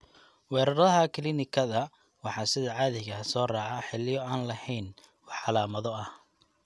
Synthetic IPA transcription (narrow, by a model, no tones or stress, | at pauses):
wɛːɾɐɾɐðɐɦɐkʰɪlɪnɪkʰɐðɐ | wɑħɑːsɪðɐʕɑːðɪɣɐsɔːraːʕɑħɪlɪjɔaːnlɐhɛjn | wɑħɑlaːmɐðɔɐh